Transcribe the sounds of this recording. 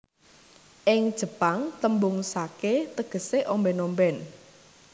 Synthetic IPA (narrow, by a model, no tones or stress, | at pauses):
ʔɪŋd̥ʒ̥ə̤paŋt̪əmbʊŋsaket̪əɡ̥ə̤seʔɔmbɛnɔmbɛn